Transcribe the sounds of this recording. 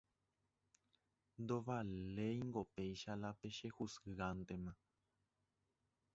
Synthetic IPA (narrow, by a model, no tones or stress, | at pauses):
nd̪oβalejŋɡopejʃalapeʃehusɨɣant̪emã